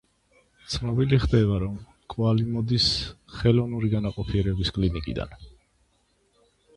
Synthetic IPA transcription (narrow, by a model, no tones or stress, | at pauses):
t̪sʰnɔbiliχd̪ɛbaɾɔm | kʼwalimɔd̪isχɛlɔvnuɾiɡanaqʼɔpʰiɛɾɛbiskʼlinikʼḭd̪a̰n